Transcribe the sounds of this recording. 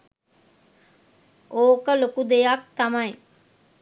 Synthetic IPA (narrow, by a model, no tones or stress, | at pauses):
ʔoːkəlokud̪ejak̚t̪amɐj